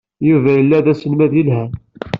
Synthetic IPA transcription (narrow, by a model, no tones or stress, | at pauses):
juvæjəlːæðæsənmæðjilhæ